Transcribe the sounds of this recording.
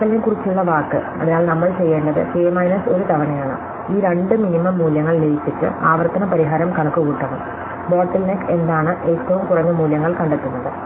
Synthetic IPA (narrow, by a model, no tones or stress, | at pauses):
kːɐlnekurit͡ɕːuɭːɐʋaːkːɨ̰ | ɐ̰ðinaːɭnɐmːɐɭt͡ɕe̞jːe̞ːɳɖɐðɨ̰feːmɐjnɐso̞ɾut̪ɐʋɐnɐjaːɳɨ̰ | iːɾe̞ɳɖɨminimɐmːuːljɐŋːɐɭlejipːit͡ɕːɨ̰aːʋɐrt̪ɐnɐpɐɾiɦaːɾɐmkɐɳɐkːuɣuːʈːɐnːṵ | boːʈːɐlneke̞nd̪aːɳɨʔeːtːɐʋumkurɐɲːɨmuːljɐŋːɐɭkɐɳɖet̪ːunːɐðɨ